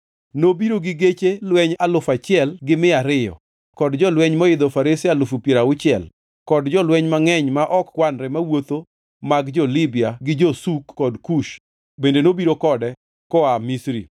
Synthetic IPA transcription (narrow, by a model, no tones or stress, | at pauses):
nobiɾoɡɪɡet͡ʃelwɛɲalʊfat͡ʃɪɛlɡɪmɪaɾɪjɔ̰ | kɔdd͡ʒɔlwɛɲmɔɪd̪ɔfaɾisɪalʊfupjeɾaʊt͡ʃɪɛl | kɔdd͡ʒɔlwɛɲmaŋɛɲmaʔɔkːwanɾɛmawot̪o | maɡd͡ʒɔlɪbɪaɡɪd͡ʒosukːɔdkuʃ | bendenobiɾokɔdɛ | kɔamisɾḭ